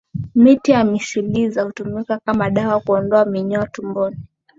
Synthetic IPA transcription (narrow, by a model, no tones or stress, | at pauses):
mitiamiʃilizahutumikakamaɗawakuɔndɔamiɲɔatumbɔni